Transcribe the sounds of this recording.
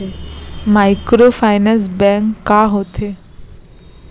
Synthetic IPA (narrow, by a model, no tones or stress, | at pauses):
emaɪkɾofʰaɪnɛ̃s̬bɛ̃ŋkːaɦot̪ʰe